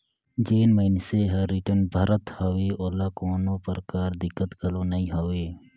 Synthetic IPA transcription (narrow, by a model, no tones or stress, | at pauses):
d͡ʒeːnməɪnseɦəɾːiʈənbʱaːɾət̪hoʋeːoːlaːkoːnõːpəɾkaːɾd̪ɪkːət̪ɡəloːnəɦĩɦoʋeː